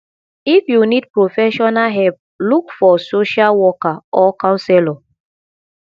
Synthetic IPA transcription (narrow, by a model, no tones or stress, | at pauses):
ifjunid̚pɹofɛʃɔnaɦɛp̚ | lukfɔsoʃalwɔkaɔkãʊ̃sɛlɔ